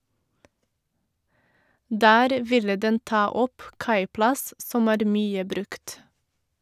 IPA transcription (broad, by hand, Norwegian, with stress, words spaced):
ˈdæːɾ ˈʋɪlə ˈdɛn ˈtɑː ˈɔp ˈkɑɪplɑs ˈsɔm ˈæːɾ ˈmyːə ˈbɾʉkt